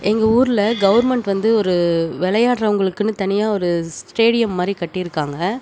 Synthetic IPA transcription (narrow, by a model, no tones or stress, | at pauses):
ʔɛŋɡɐuːɾɪlɐɡɐʋɐɾmɛɳʈʋɐnd̪ɯɔɾɯʋɛlɐjaːʈɾɐʋɐŋɡɐɭɯkːɯnːɯt̪ɐnɪjaːɔɾɯsʈeːɽɪjɐmːaːd̪ɾikɐʈːɪjɪɾɯkːaːŋɡɐ